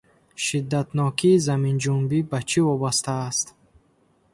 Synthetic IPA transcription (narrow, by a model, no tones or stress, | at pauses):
ʃid̪ːat̪nɔkʰiːzamind͡ʒumbibat͡ʃʰivɔbast̪aːst̪